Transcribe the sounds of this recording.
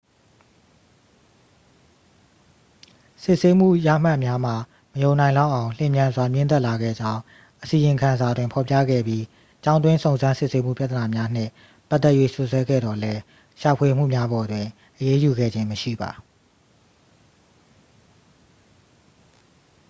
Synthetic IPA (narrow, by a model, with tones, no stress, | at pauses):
sɪ˦ʔse˦m̥ṵ˦˨ja̰˦˨m̥a˦˨mja˦m̥a˨ | məjõ˨ʊ̃nã˨ɪ̃lã˦ʔã˨ʊ̃l̥ɪ̰̃˦˨mjã˨nzwa˨mjɪ̃˦˨nt̪ɛ˦ʔla˨ɡɛ̰˦˨d͡ʑã˦ʊ̃ | ʔəsi˨jɪ̃˨ŋkʰã˨nza˨dwɪ̃˨mpʰɔ˨pjä̰˦˨ɡɛ̰˦˨bji˦ | t͡ɕã˦ʊ̃nd̪wɪ̃˦sõ˨ʊ̃nzã˦nsɪ˦ʔse˦m̥ṵ˦˨pja˦˨t̪əna˨mja˦n̥ɪ̰̃˦˨ | pa˦ʔt̪ːɛ˦ʔjwḛ˦˨sʊ˦ʔswɛ˦ɡɛ̰˦˨dɔ˨lɛ˦ | ʃa˨pʰwe˨m̥ṵ˦˨mja˦bɔ˨dwɪ̃˨ | ʔəje˦ju˨ɡɛ̰˦˨d͡ʑɪ̃˦məʃḭ˦˨ba˨